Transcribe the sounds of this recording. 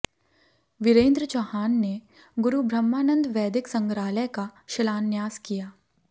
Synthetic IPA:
ʋɪɾẽːnd̪ɾət͡ʃɐhaːnːe | ɡʊɾubʱɾəmːaːnə̃nd̪ʋɛːd̪ɪksɐ̃ŋɡɾaːləjkaʃɪlaːnjaːzkijaː

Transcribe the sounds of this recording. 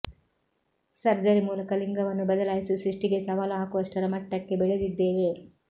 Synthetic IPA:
sɐɾd͡ʒɐɾimuːlɐkɐliŋɡɐʋɐnːubɐd̪ɐlaːjisisɾiʂʈiɡe̞sɐʋaːlɐɦɐkuʋɐʂʈɐɾɐmɐʈːɐkːe̞bɛɭed̪id̪ːe̞ːʋe̞

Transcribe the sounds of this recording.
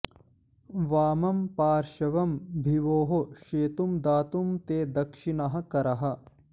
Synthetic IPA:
ʋaːmɐmpaːɾʃɐʋɐmbʱiʋoːɦoʃeːt̪umd̪aːt̪umt̪eːd̪ɐkʂinɐɦɐ̆kɐɾɐɦɐ̆

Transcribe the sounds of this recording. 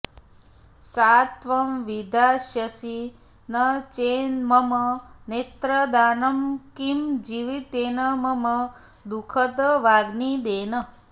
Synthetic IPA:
sat̪ʋɐmʋid̪ʱaʃjəsi | nət͡ʃenməmənet̪ɾəd̪aːnɐmkimd͡ʒiʋit̪enəməmə | d̪ukʰət̪əʋaɡnid̪enə

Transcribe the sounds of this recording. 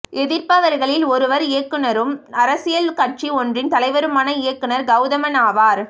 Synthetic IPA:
ɛðɪɾpaʋɐɾɣɐɭɪlɔɾɯʋɐɾɪjɐkːɯnɐɾɯmɐɾɐsɪjɐlkɐʈ̚t͡ʃiɔndrɪnt̪ɐlɐɪʋɐɾɯmaːnɐɪjɐkːɯnɐɾɡɐʊðɐmɐnaːʋaːɾ

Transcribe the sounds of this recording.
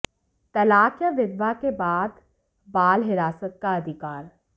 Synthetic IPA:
t̪ɐlaːkjəʋɪd̪ʋakebaːd̪ | baːlɦɪɾaːsət̪̚kaɐd̪ʱɪkaːɾ

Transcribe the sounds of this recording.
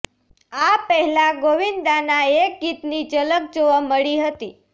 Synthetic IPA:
apəɦɛlaɡoʋind̪anaek̚ɡit̪nid͡ʒələk̚d͡ʒoʋəməɭiɦət̪i

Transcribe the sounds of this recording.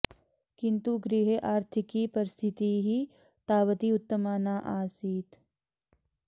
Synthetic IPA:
kɪ̃nt̪uɡɾiɦeʔaːɾt̪ʰɪkipɐɾɪst̪ʰɪt̪iɦi | t̪aːʋət̪iʊt̪ːəmaːnaːʔaːsiːt̪

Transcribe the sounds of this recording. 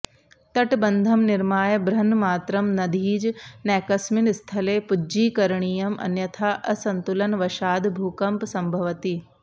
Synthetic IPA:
t̪ɐʈbɐnd̪ʱɐmnɪɾmaːjɐbɾɐnmaːt̪ɾɐmnɐd̪ʱiːd͡ʒnɛːkɐsmɪnst̪ʰɐleːpʊd͡ʒiːkɐɾɳ̃ijɐmɐ̰njɐt̪ʰaːʔɐsɐ̃nt̪ulɐnʋɐʃaːd̪bʱuːkɐmpsɐ̃mbʱɐʋt̪i

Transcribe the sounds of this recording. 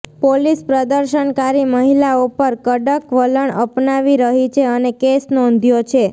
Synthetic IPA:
polispɾəd̪əɾʃənkaɾiməɦilaupəɾkəɖəkʋələɳəpnaʋiɾəɦit͡ʃʰeənekesnɔ̃nd̪ʱjot͡ʃʰe

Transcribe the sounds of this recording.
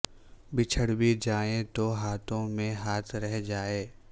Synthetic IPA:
bɪt͡ʃʰəɽbid͡ʒaːẽt̪oɦaːt̪ʰõmẽɦaːt̪ʰɾɛɦd͡ʒaːeː

